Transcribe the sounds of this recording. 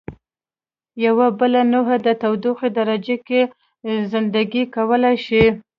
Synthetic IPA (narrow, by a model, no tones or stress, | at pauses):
jawabəlanoɦad̪ət̪awd̪uxed̪aɾad͡ʒeke | zɪnd̪aɡikawəlajʃi